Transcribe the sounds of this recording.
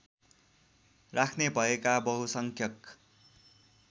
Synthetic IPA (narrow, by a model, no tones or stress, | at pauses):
rakʰnebʱʌekabʌɦusʌŋkʰjʌk